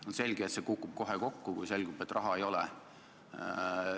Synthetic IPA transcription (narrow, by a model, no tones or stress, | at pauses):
onse̞lʲɡ̥eet̪se̞kukːub̥̚ko̞ɦeko̞kːukujse̞lʲɡube̞t̪ːˑrʔɑɦɑejo̞lɛ̰